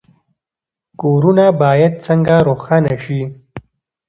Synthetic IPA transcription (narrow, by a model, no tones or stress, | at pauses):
koːɾunabaːjad̪̚t͡səŋɡaɾoːxanaʃi